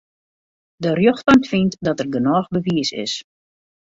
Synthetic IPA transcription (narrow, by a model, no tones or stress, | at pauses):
dərjoxtɔntfintdɔtərɡənɔːxbəviəsɪ̰s